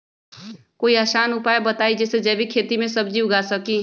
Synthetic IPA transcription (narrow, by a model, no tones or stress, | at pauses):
koːiaʃaːnʊpaːebət̪aːid͡ʒɛːsed͡ʒɛːbʱikʰeːt̪imẽsəbd͡ʒiʊɡaːsəkĩː